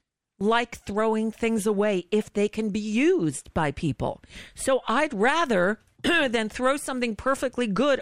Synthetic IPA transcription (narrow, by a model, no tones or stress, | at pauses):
laɪkθɹoʊɪ̃ŋθɪ̃ŋzəweɪɪfðeɪkʰɨ̃nbijʉzbaɪpʰipl̩ˠsoʊʔaɪd̚ɹæðə˞ | ðɨ̃nθɹoʊsʌ̃mθɪ̃ŋpʰɜ˞fɨk̚tˡliɡʊɾ